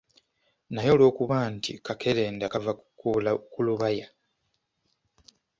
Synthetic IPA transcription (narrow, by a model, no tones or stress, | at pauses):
najo̞lo̞ːkuβaːntḭkʰakʰe̞ɾeːndakava | ulakuluβaja